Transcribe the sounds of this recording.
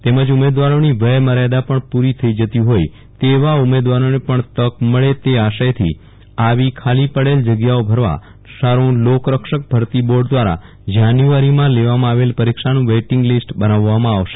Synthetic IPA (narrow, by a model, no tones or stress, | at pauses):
t̪eməd͡ʒumed̪ʋaɾoniʋəjməɾad̪apəɳpuɾit̪ʰəid͡ʒət̪jũɦoj | t̪eʋaumed̪ʋaɾonepəɳt̪əkməɭet̪eaʃajt̪ʰḭ | aʋikʰalipəɽeld͡ʒəɡjaobʱəɾʋa̰ | saɾũlokɾəkʃək̚bʱəɾt̪iboɾɖd̪ʋaɾa̰ | d͡ʒanjuaɾimãleʋamãaʋelpəɾikʃanũʋeʈɪ̃ŋɡlisʈbənaʋːamãaʋʃe̥